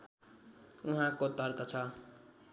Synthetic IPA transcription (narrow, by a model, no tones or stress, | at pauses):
uɦãkot̪ʌɾkʌt͡sʰʌ